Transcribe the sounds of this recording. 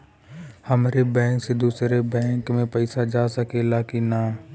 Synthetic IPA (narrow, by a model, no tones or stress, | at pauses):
həmɾebɛ̃ːŋksed̪uːsɾebɛ̃ːŋkmẽpəɪsad͡ʒaːsəkeːlakinaː